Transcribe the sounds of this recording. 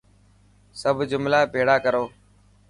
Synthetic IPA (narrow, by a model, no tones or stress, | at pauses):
səbʱd͡ʒʊmlaːpeːɽaːkəɾoː